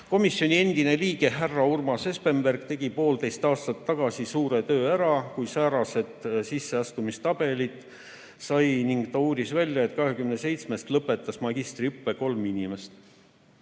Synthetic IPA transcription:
ko̞misjo̞nʲie̞nd̪ine̞liːɡ̥e̞ɦærːɑurmɑse̞spe̞mberɡ̥̚t̪e̞ɡ̥ipo̞ːld̪e̞jst̪ɑːst̪ɑt̪ːɑɡ̥ɑsisuːɾe̞t̪ø̞ːæɾɑkujsæːɾɑse̞t̪sisːe̞ɑst̪umist̪ɑb̥e̞lit̪ːˑ | sɑjniŋɡt̪ɑuːd̪isvælʲjɑet̪kɑɦe̞kymnese̞jt̪sme̞st̪lɤpːˑe̞t̪ˑːɑsmɑɡist̪riypˑːe̞ko̞lminime̞st̪

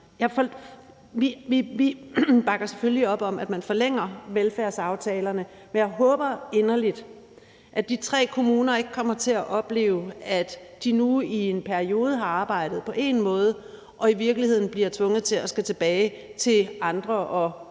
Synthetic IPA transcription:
jɑ̈ɪfɒ | ʋiʋiʋib̥ɑ̈ɡ̥ɐse̥følliɒ̽b̥ɒ̽mʔæd̥mænfɒ̽leŋ̰ɐʋelfæɐsɑ̈ʊt͡sʰɛːlɐnə | menjɑ̈ɪɦɔ̽ːb̥ɐe̝nɐlid̥ | ʔæd̥it͡sʰʁɛ̰ːkʰo̝muːnɐe̝ɡ̥əkʰɒ̽m̰ɐt͡sʰe̝læʔɒ̽b̥le̝̰ːʊæd̥ːinuie̝npʰæɐio̝ːð̞ˠəɦɑ̈ɑ̈ːb̥ɑ̈ɪ̰d̥ð̞̩ˠpʰɒ̽ʔe̝̰nmɔ̽ːð̞ˠə | ʔɒ̽iʋiɐɡ̥lihe̝ð̰ˠn̩b̥liɐt͡sʰʋɔ̽ŋð̞̩ˠt͡sʰe̝læsɡ̥æt͡sʰe̝b̥ɛːɪ | t͡sʰe̝lɑ̈nd̥ʁɐʔɒ̽

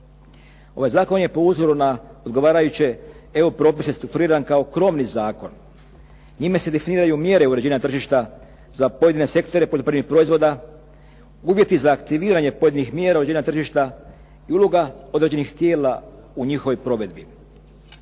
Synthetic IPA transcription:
o̞ʋajzaːko̞nje̞po̞uzo̞ɾunao̞d̪ɡo̞ʋaːɾajut͡ɕe̞eupɾo̞ːpisest̪ɾuk̚t̪uɾiːɾankao̞kɾo̞mnizaːko̞n | ɲimese̞d̪e̞finiːɾajumje̞ɾe̞uɾed͡ʑiːnat̪r̩ʒiʃt̪a | zapo̞je̞d̪ine̞se̞kt̪o̞ɾe̞poʎʲopɾemipɾo̞izʋo̞d̪a | uʋje̞t̪izaːkt̪iʋiːɾaɲe̞po̞je̞d̪inixmjeːɾauɾeeinat̪r̩ʒiʃt̪a | iuloɡao̞d̪ɾed͡ʑe̞nixt̪je̞ːla | uɲixo̞ʋojpɾo̞ʋe̞d̪bi

